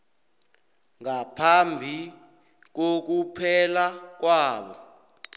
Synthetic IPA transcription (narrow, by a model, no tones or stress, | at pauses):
ŋapʰambʱi | k̬ok̬upʰɛlak̬waːɓɔ̰